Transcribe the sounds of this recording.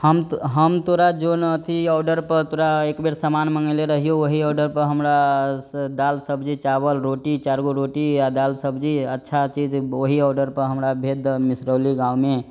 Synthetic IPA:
həmɦəmt̪oɾad͡ʒonət̪ʰiɔːɖəɾpəɾt̪oɾaekbeɽsəmanməŋɡəleɾəɦijoʋoɦiɔːɖəɾpəɾɦəmɾa | d̪alsəbʱd͡ʒit͡ʃabəlɾoʈit͡ʃaɾɡoɾoʈiad̪alsəbd͡ʒiətːʃʰat͡ʃid͡ʒoɦiɔːɖəɾpəɾɦəmɾabʱed̪misɾəliɡãume

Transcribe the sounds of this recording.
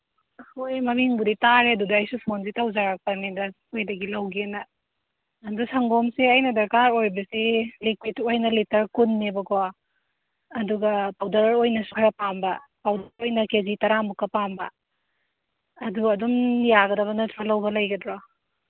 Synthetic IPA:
hojmɐmiŋbuditaɾeɐdudɐːjsupʰons̬itawzaɾak̚pɐnidɐ | ojdɐɡilɐwɡenɐː | ndusɐŋɡomseɐjnɐdɐɾkaɾojbɐsilikwitojnɐlitɐɾkunːebɐkʰɔ | duɡɐpawdɐɾɾojnɐsukʰaɾɐpambɐpawdɾojnɐkezitɐɾamukːɐpambɐ | duɐdumjaɡɐdɐβɐnɐtʰɾalɐwbɐlɐjɡɐdɾɔ

